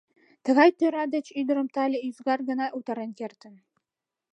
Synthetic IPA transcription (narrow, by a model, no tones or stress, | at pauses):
t̪ə̆ɣɑjt̪øɾɑd̪ə̆t͡ɕyd̪ə̆ɾə̆mt̪ɑlʲeyzɡɑrɡə̆nɑʔut̪ɑɾənkert̪ə̆n